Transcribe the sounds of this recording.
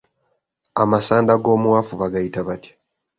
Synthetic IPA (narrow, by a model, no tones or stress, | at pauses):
amasaːndaɡo̞ːmuwafuβaɡajitaβatʰi̥